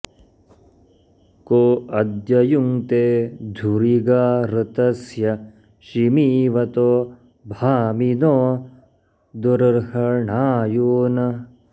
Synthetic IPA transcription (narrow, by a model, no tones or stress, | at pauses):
koːɐd̪jɐjuŋt̪eːd̪ʱuɾiɡaːɾɨt̪ɐsjɐ | ʃimiːʋɐt̪oː | bʱaːminoː | d̪uɾɐɾhɐɳaːjoːnɐ